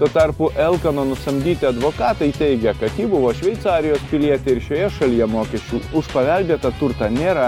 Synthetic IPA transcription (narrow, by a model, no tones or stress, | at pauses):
t̪uɔt̪ɐɾpʊʔɛlˠkɐnoːnʊst̪ɐmʲd̪ʲiːt̪ʲɪɐd̪ʋoːkɑːt̪ɐɪt̪ʲɛɪɡʲɛkɐtkʲiːbʊʋoːʃʲʋʲɛɪt̪sɑːɾʲɪjoːspʲɪlʲiɛt̪ʲɛɪɾʃʲoːjɛʃɐlʲijɛmoːkʲɛʃʲt͡ʃʲuːʊʃpɐʋʲælʲbʲeːt̪ɐt̪ʊɾt̪ɐnʲeːɾɐ